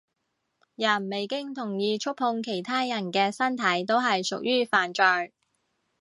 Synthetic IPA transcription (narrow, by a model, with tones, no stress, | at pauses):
jɐ˨˩nme˨jkɪ˥ŋt̪ʰʊ˨˩ŋjiː˨˧t͡ʃʰʊ˥k̚hʊ˧ŋkʰe˨˩jt̪ʰaː˥jɐ˨˩nkɛː˧sɐ˥nt̪ʰɐ˨˥jt̪̬o˥wɦɐ˨jsʊ̰˨k̚jʔyː˥faː˨nt͡ʃœː˨j